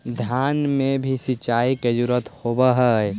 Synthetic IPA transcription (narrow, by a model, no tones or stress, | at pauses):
d̪ʱjaːnmebʱisɪt͡ʃaːiked͡ʒʊɾət̪hobəɦəj